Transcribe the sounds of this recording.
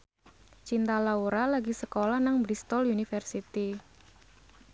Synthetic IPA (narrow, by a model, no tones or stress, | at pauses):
t͡ʃint̪alauɾalaɡisəkolanaŋbɾist̪ɔlunifərsit̪i